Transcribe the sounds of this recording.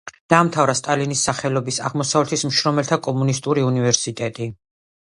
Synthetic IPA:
d̪̥aːmt̪ʰavɾast̪ʼalinisːaχɛlɔbisa̰ʁmɔsavlɛt̪ʰismʃɾɔmɛlt̪ʰakʼɔmunist̪ʼuɾiunivɛɾsit̪ʼɛt̪ʼi

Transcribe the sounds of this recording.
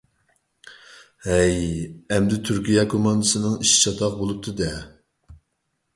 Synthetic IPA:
hɛjɛmd̪ɪt̪ʰyɾkʲʰijɛkʰomɑnd̪ɨsɨnɨŋiʃi̥t͡ʃʰɑt̪ʰɑq̚bolˠup̚t̪ʰɨd̪ɛ

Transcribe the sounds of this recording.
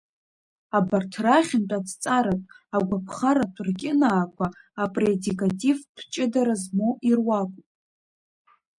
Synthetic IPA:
abartʰraχʲɪntʷʼad͡zt͡sʼaɾatʼ | aɡʷapʰχaɾatʷʰʼrɡʲʼɪnaːkʷʰaːpʼredikʼatʼivd̥ʰt͡ʃʼɪdaɾazmoʔirwakʷʼpʼ

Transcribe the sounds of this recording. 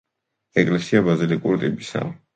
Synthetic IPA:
ɛkʼlɛsiabazilikʼuɾt̪ʼibisa̰

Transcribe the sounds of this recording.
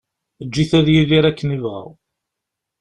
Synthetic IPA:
əd͡ʒːiθæðjiðiɾækːənivə̰ʁ

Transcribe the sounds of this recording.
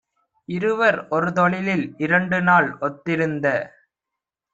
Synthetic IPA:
ɪɾɯʋɐɾɔɾɯt̪ɔɭɪlɪlɪɾɐɳɖɯnaːɭɔt̪ːɪɾɯnd̪ɐ

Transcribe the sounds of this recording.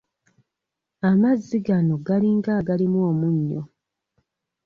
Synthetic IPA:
amazːiɡano̞ɡaliŋɡaːɡalimwoːmuɲːo̰

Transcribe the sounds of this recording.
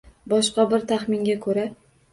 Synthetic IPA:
bɒʃqɑbɪɾt̪ʰaχmɪnɡʲakʰɵɾa

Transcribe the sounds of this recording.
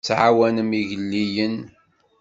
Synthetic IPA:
t͡sːʕawænəmiʝəlːijən

